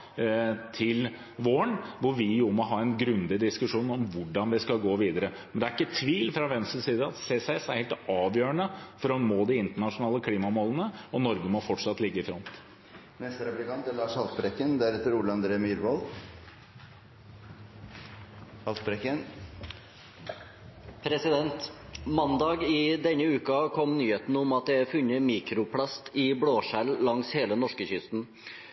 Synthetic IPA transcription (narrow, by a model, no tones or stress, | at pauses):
t̪ʰɪl | ʋoːəɳʋʊɾʋɪjʊmɔɦɑːɛnɡɾʉnd̪ɪd̪ɪskʉʂuːnɔmʋʊɖɑnʋɪskɑlɡoːʋiːd̪əɾəmɛnd̪ɛæɾɪkːət̪ʰʋiːlfɾɑʋɛmsʉsiːd̪əɑt̪seːsɛsæɾheːlt̪ɑːʋjøːɾəɳəfɔɾɑnmoːd̪ɪɪnt̪əɳɑʂʊnɑːləkʰliːmɑɔmɔlənəɔnɔɾɡəmɔfɔʈʂɑt̪ːlɪɡːəɪfɾɔnt̪ | nɛst̪əɾɛplɪkɑnt̪əlɑːʂɑlt̪pɾɛkːənd̪æɾɛt̪ːəɾuːɭəɑnd̪ɾeːmyːɾʋɔl | ɑlt̪bɾɛkən | pʰɾɛsɪd̪ɛnt̪mɑnd̪ɑːɡɪd̪ɛnːəʉːkɑkʰɔmnyːheːt̪nʊmɑt̪̚d̪ɛæɾfʉnːəmiːkɾʊpʰlɑst̪ɪbɽoːʂælːɑŋsheːlənɔʂkəçʏst̪n̩